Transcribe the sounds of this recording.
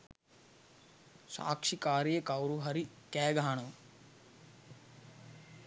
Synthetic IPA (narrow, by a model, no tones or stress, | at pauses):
sa̰ːkʂikaːɾjekɐwɾuɦɐɾikɛːɡʱaːɳɐʋ